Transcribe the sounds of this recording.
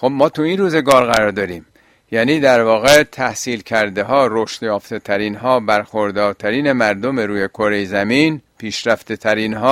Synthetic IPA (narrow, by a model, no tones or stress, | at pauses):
xobmɒːt̪ʰuinruːze̞ɡɒːɾɣæɾɒːɾd̪ɒɾiːm | jæːniːd̪æɾvɒːɣet̪ʰæhsiːlcʰæɾd̪eɦɒːɾoʃt̪jɒːft̪ʰe̞t̪ʰæɾiːnɦɒːbæɾxoɾd̪ɒːɾt̪ʰæɾiːne̞mæɾd̪omeɾuːje̞kʰoɾejzæmiːnpʰiːʃɾæft̪et̪ʰæɾiːnɦɒː